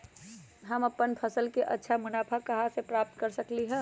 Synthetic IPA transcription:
ɦəmɐpːənpʰəsəlkeʔɐ̰tːʃʰamʊnaːpʰakəɦasepɾaːp̚t̪kəɾsəkliɦɛ̃

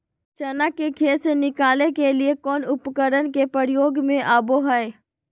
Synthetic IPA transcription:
t͡ʃənakekʰeːsenɪkaːlekeliekɔːnʊpkəɾənkepɾəɾjoːɡmẽʔaːboɦɛe

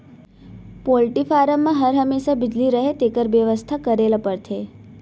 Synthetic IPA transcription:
polʈifaɾəmːãɦəɾɦəmːeʃabɪd͡ʒliɾəɦet̪ekəɾʋjəʋəst̪ʰakəɾeləpəɾt̪ʰe

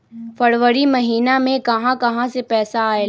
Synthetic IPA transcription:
fɐɾʋəɾimɐɦiːnamẽkɐɦãkɐɦãsepɛːsaːe

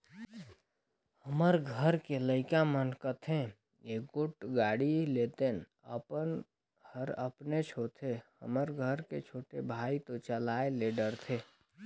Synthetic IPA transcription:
həməɾɡʱəɾkeləɪkamənkət̪ʰẽ | jeɡʊʈɡaːɽilet̪en | ə̰pənʱ | əɾə̰pnet͡ʃʰot̪ʰehə̰məɾɡʱəɾket͡ʃʰoːʈebʱaːit̪ot͡ʃəlaːeleɖəɾt̪ʰe

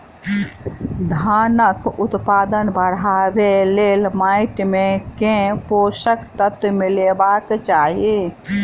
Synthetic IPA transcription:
d̪ʱaːnəkʊt̪paːd̪ənbəɽaːbeleːlmaːɪʈmẽkẽpoːʃəkt̪ət̪milebakt͡ʃaːɦi

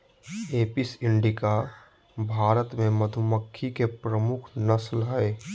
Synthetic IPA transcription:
eːpɪsɪ̃ɳɖɪka | bʱaːɾət̪mẽməd̪ʱʊməkʰːikepɾəmʊkʰnɐslɦɛ

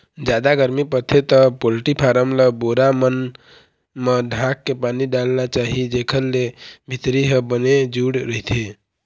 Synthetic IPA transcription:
d͡ʒad̪aɡəɾmipət̪ʰet̪əpolʈipʰaɾəmləboɾamən | meɖʱãkːepaniɖalnat͡ʃaɦid͡ʒekʰəllebʱit̪ɾiɦəbəned͡ʒuɽɾəɦit̪ʰe

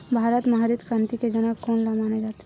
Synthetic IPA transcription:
bʱaːɾət̪mɐɦaɾit̪kɾãːnt̪iked͡ʒənakɔːnlamaned͡ʒaːt̪e

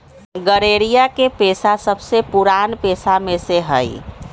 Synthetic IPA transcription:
ɡəɾeɾijakepesasəbsepuɾanpesameseɦəɪ

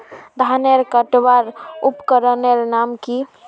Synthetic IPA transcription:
d̪ʱaneɾkəʈbaɾupkəɾənelnamki

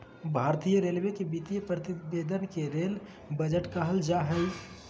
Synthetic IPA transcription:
bʱaːɾt̪ijəɾeːlmekebiːt̪ijəpɾət̪ɪbeːd̪ʱənkeɾeːl | bəd͡ʒəʈkaɦəld͡ʒaɦəɪ

